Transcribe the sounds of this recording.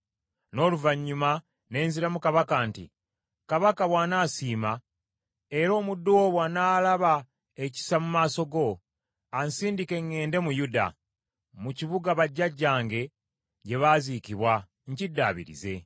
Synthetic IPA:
no̞ːluvaɲːuma | ne̞ːnziɾamukaβakantḭ | kaβakaβwaːnaːsiːma | e̞ɾo̞ːmudːuoβwaːnaːlaβa | eci̥samumaːso̞ɡo̞ | ansiːndike̞ŋːe̞ːnde̞mujuda̰ | muciβuɡaβaɟːaɟːaːŋɡe̞ | ɟe̞βaːzikiβwa | ɲcidːaːβḭɾḭze̞̰

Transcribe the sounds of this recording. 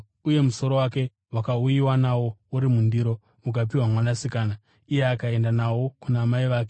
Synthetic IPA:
uje̞muso̞ɾo̞wake̞ | wakaujiwanawo̞uɾimundiɾo̞ | uk̬apiwamwanasikaːna | ije̞akae̞ndanawo̞kunaːmaiʋaːke

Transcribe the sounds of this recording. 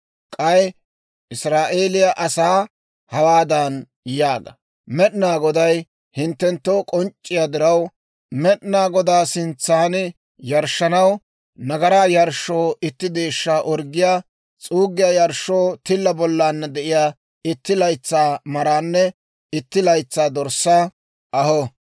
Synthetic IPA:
kʼɐj | ʔɪsɾaːʔeːlɪjaʔɐsaː | hɐwaːd̪ɐn | jaːɡɐ̰ | mɛɗnaːɡɔd̪ɐj | hɪnt̪ːɛnt̪ːoːkʼɔnt͡ʃʼːɪjaːd̪ɪɾɐw | mɛɗnaːɡɔd̪aːsɪnt͡sːaːnɪ | jɐɾʃːɐnɐw | nɐɡɐɾaːjɐɾʃːo̞ːʔɪt̪ːɪd̪eːʃːaːʔɔɾɡɪjaː | t͡sʼuːɡːɪjaːjɐɾʃːoːt̪ɪlːɐbɔlːaːnːɐd̪ɛʔɪjaː | ɪt̪ːɪlɐjt͡sːaːmɐɾaːnːɛ | ɪt̪ːɪlɐjt͡sːaːd̪ɔɾsa | ʔɐhɔ

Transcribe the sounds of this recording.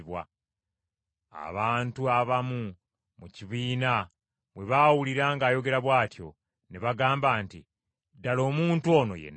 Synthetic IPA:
βwa̰ | a̰βaːntuaβamu | muciβiːna | βwe̞βaːwuliɾaːŋɡaːjo̞ɡe̞ɾaβwaːtjo̞̰ | neβaɡaːmbaːntḭ | dalo̞ːmuːntuo̞ːno̞̰jḛn

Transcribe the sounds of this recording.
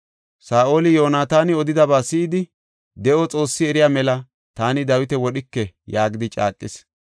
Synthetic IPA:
saːʔo̞ːlɪjo̞ːnaːt̪aːnɪɔd̪ɪd̪ɐbaːsɪːd̪ɪ | d̪ɛʔɔt͡sʼo̞ːsːɪɛɾɪjaːmɛlɐ | t̪aːnɪd̪ɐwɪt̪ɛwɔɗɪkːɛjaːɡɪd̪ɪt͡ʃʼa̰ːkʼːɪs

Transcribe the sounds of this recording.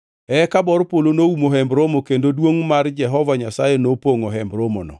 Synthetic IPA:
ɛkabɔɾpolonoumoɦɛmbɾomokendodwoŋmard͡ʒɛɦɔvaɲasajenopoŋoɦɛmbɾomo̰nɔ̰

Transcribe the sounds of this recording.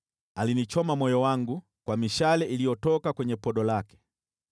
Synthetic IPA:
alinit͡ʃɔmamɔjɔwaŋɡu | kwamiʃalɛʔilijɔtɔkakwɛɲɛpɔɗɔlakɛ̥

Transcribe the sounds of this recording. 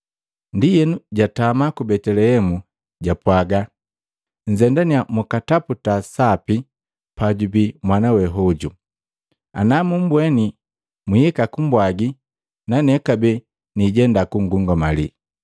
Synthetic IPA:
ndijɛnuɟatamakubɛtɛlɛhɛmu | ɟapwaɡa | ɲ̩d͡ʒɛndaniamukataputasapi | paɟubimwanawɛɦɔɟu | a̰namum̩bwɛni | muhɛkakumbwaɡi | nanɛkabɛ | niɟɛndakuŋɡuŋɡɔmali

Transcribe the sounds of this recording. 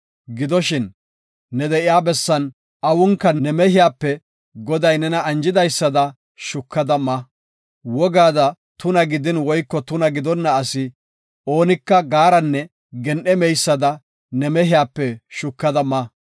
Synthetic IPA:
ɡɪd̪ɔʃɪnː | ɛd̪ɛʔɪjaːbɛsːɐn | ɐwʊŋkːɐnɛmɛhɪjaːpːɛ | ɡɔd̪ɐjnɛnɐɐnd͡ʒɪd̪ɐjsːɐd̪ɐ | ʃʊkːɐd̪ɐmɐ | wɔɡaːd̪ɐ | t̪ʊnɐɡɪd̪ɪnwɔjkːɔt̪ʊnɐɡɪd̪ɔnːɐːsɪ | o̞ːnɪkːɐɡaːɾɐnːɛ | ɡɛnʔɛmɛjsːɐd̪ɐ | nɛmɛɦɪjaːpːɛʃʊkːɐd̪ɐmɐ

